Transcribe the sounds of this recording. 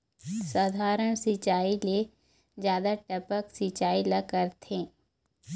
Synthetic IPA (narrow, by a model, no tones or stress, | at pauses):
saːd̪ʱaːɾəɽ̃sit͡ʃaːile | d͡ʒjaːd̪aʈɐpəksit͡ʃaːilɐkəɾt̪ʰẽː